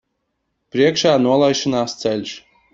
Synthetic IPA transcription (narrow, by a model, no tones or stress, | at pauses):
pɾʲiɛkʃaːnuɔlˠajʃinaːst̪sɛlʲʃ